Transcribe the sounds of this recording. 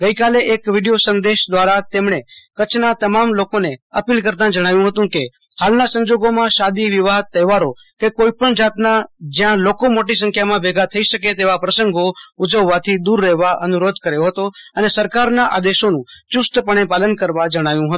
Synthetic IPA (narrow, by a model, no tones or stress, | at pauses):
ɡəikaleʔekʋiɖijosənd̪eʃd̪ʋaɾat̪emɳ̃ekət͡ʃʰnat̪əmamlokoneəpilkəɾt̪ãd͡ʒəɽ̃aʋjũɦət̪ũke | halnasə̃ɲd͡ʒoɡomãʃad̪iʋiʋaɦd̪̚t̪ːəjʋaɾo | kekoipəɳd͡ʒat̪nad͡ʒjãlokomoʈisə̃ŋkʰjamãbʱeɡat̪ʰəiʃəket̪eʋapɾəsəŋɡoud͡ʒəʋːat̪ʰid̪uɾːɛɦʋaʔənuɾod̪ʱkəɾejoɦət̪oənesəɾkaɾnaʔa̰d̪eʃonũt͡ʃust̪pəɽ̃epalənkəɾʋad͡ʒəɽ̃aʋjũɦət̪ũ